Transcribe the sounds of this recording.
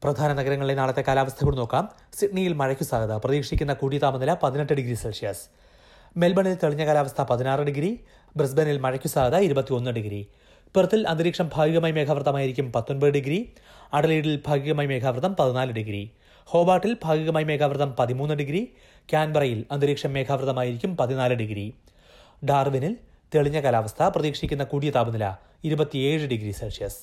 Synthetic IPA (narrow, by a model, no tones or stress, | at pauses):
prɐd̪ʱaːnɐnɐɡɐɾɐŋːɐɭilenaːɭɐt̪ːe̞kaːlaːʋɐst̪ʰɐɣiɭno̞ːkːaːm | siʈɳijilmɐɻɐkʲːusaːɡɐðɐprɐðiːkʂikʲːunːɐkuːɽit̪aːmɐnɐlɐpɐðine̞ʈːɨɖiɡɾiselʂijɐs | me̞lbɐɳilt̪eɭiɲːɐkaːlaːʋɐst̪ʰɐpɐðinaːrɨɽiɡɾi | bres̬benilmɐɻɐkʲːusaːɡɐðɐiɾubɐt̪ːio̞nːɨɖiɡɾḭ | purɐt̪ːilɐnd̪ɾiːkʂɐmbʱaːɡiɣɐmaːjme̞ːkʰaːʋɐrt̪ɐmaːjiɾikʲːumpɐt̪ːo̞nbɐðɨɖiɡɾi | ɐɽɐliːɽilbʱaːɡiɣɐmaːjme̞ːkʰaːʋrt̪ɐmpɐðinaːlɨɖiɡɾḭ | ho̞ːbaːʈːilbʱaːɡiɣɐmaːjme̞ːkʰaːʋrðɐmpɐðimuːnːɨɖiɡɾi | kʲaːnbɐrɐjilɐnd̪iɾiːkʂɐmːe̞ːkʰaːʋrt̪ɐmaːjiɾikʲːumpɐðinaːlɨɖiɡɾḭ | ɖaːrʋinil | t̪eɭiɲːɐkɐlaːʋɐst̪ʰɐprɐðiːkʂikʲːunːɐkuːɽijɐt̪aːbunilɐ̰ | iɾubɐt̪ːieːɻɨɖiɡɾisɐʂijɐs